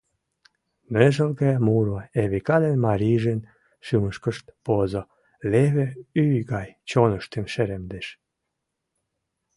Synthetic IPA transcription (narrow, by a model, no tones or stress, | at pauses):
meʒəlɣemuɾoeβekɑd̪enmɑɾʲiʒen | ʃyməʃkəʃt̪pozo | leβeyjɣɑjt͡ɕonəʃt̪enʃeɾemd̪eʃ